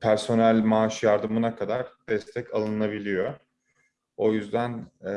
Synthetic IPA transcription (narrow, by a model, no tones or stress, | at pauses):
pʰæɾso̞nælʲmaʃjaɾd̪ɯmunakʰad̪aɾd̪̥ɛst̪ʰɛcʰalˠɯnabilʲijo | o̞jyzd̪æn